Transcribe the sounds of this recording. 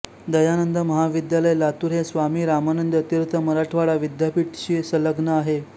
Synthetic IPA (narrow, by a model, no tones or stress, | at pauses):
d̪əjanənd̪əməɦaʋid̪jaləjlat̪uːɾɦesʋamiːɾamanənd̪ət̪jiɾt̪ʰəməɾaʈʰʋaɭaʋid̪japiʈɕiːsələɡnəaɦe